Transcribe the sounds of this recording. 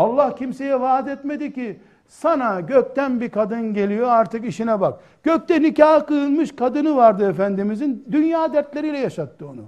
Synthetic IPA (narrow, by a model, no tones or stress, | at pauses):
alˠːahcʰimse̞jɛvaːd̪ɛt̪me̞d̪ici | sanaɟøc̚t̪ænbikʰad̪ɯnɟe̞lʲijo̞aɾt̪ɯkiʃinɛbak̚ | ɟ̥øc̚t̪ɛnicaɦakɯɯlˠmɯʃkad̪ɯnɯvaɾd̪ɯefænd̪imizind̪ynjaːd̪æɾt̪lʲe̞ɾijlʲɛjaʃat̪ːɯo̞nṵ